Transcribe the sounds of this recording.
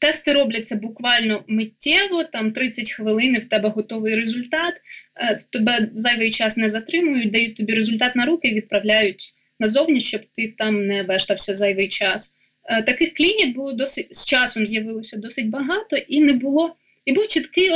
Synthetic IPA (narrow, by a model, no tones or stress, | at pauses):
t̪ɛst̪ɪɾɔblʲɐt͡sʲːɐbʊkʋɑlʲnɔmɪtʲːɛʋɔt̪ɑmt̪ɾɪt͡sʲːɐtʲxʋɪlˠɪnɪwt̪ɛbɛɦɔt̪ɔʋɪjɾezʊlʲt̪ɑt̪t̪ɔbɛzɑjʋɪjt͡ʃɑsnɛzɐt̪ɾɪmʊjʊt̚ʲd̪ɐjut̚ʲt̪ɔbʲiɾezʊlʲt̪ɑt̪nɐɾukɪʋʲid̪̚pɾɐʋlʲajʊtʲ | nɐzɔwnʲiʃt͡ʃɔbt̪ɪt̪ɑmnɛʋɛʒ̥t̪ɐwsʲɐzɑjʋɪjt͡ʃɑs | t̪ɐkɪxklʲinʲibʊlˠɔd̪ɔsɪtʲst͡ʃɑsɔmzʲjɐʋɪlˠɔsʲɐd̪ɔsɪtʲbɐɦɑt̪ɔʔinɛbʊlˠɔ | ibuwt͡ʃɪt̪kɪ